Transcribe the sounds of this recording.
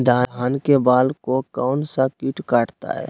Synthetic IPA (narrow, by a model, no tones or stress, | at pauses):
d̪ʱaːɦaːnkebaːlkokɔʊnsakiʈkaːʈʰt̪a̰ɦɛ̰ː